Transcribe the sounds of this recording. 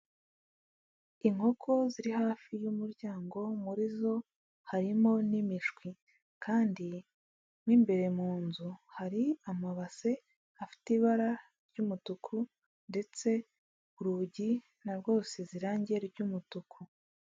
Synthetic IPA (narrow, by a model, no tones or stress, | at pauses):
iŋho̞kʰo̞ziɾihaːfijumuɾɟaːŋɡo̞muɾizo̞ | haɾimo̞nimiʒɡwi | kaːndi | mwiːmbe̞ɾe̞muːnzuhaɾiamaβase̞ | afi̥tiβaɾa | ɾɾɟumutukʰu | nde̞t͡se̞ | uɾuɟi | naɾɡo̞ːseziɾaːɲɟeɾɟumutukʰu